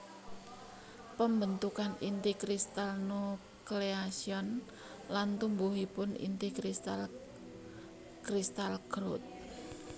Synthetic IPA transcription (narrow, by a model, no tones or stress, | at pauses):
pəmbənt̪ukanint̪ikɾist̪alnu | kleasiɔn | lant̪umbuɦipʊnḭnt̪ikɾist̪al | kɾist̪alɡɾot̪̚